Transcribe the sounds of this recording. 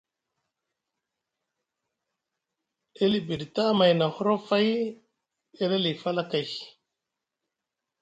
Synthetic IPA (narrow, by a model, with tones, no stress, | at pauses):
e˦li˨bi˨ɾta˦ma˨jna˨ho˦ɾo˦fa˦j | e˦le˦li˨fa˦la˦ka˨j